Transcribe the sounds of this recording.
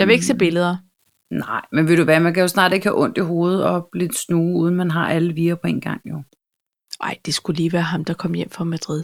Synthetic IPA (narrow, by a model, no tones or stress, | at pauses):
jɑ̈ʋee̝ɡ̥se̝̰ːb̥e̝ləð̞̩ˠɐ | nɑɪ̰menʋe̝ɾ̥uʋæːɐmænkʰæjo̝snɑ̈ːd̥e̝ɡ̥hæʔɔ̽n̰d̥iɦo̝ːð̞̩ˠɒ̥̽le̝d̥snuːuːð̞ˠn̩mænɦɑ̈ʔæləʋiːɐpʰɒ̽e̝ːnɡ̥ɑ̈ŋ̰jo | ʔɑ̈ɪ̰d̥e̝sɡ̥uliːʋæːɐɦɑ̈md̥ɑ̈kʰɒ̽m̰jem̰fɑmæd̥ʁið̰ˠ